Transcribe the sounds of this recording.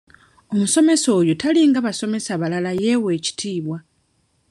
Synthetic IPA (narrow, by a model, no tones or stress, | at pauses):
o̞muso̞me̞so̞ːjutaliŋɡaβaso̞me̞saβalalaje̞we̞ːci̥tʰiːβwa